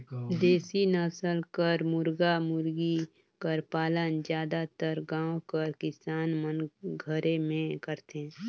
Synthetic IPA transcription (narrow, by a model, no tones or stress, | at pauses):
d̪eːsinaːsəlkəɾmʊɾɡamʊɾɡi | kəɾpaːlənd͡ʒjaːd̪at̪əɾɡãːkəɾkɪsaːnmənɡʱəɾemẽkəɾt̪eɦɛ̃